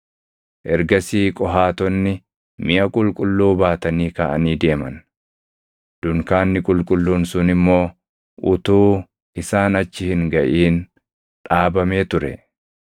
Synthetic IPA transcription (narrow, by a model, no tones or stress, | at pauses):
ʔɛɾɡɐsiːkʼɔɦaːt̪ɔnːɪ | mɪʔɐkʼʊlkʼʊlːuːbaːt̪ɐniːkɐʔɐniːd̪e̞ːmɐ̰n | d̪̥ʊŋkaːnːɪkʼʊlkʼʊlːuːnsʊnɪmːo̞ː | ʔʊt̪uː | ɪsaːnɐt͡ʃːɪhɪŋɡɐʔiːn | ᶑaːbɐme̞ːt̪ʊɾɛ̰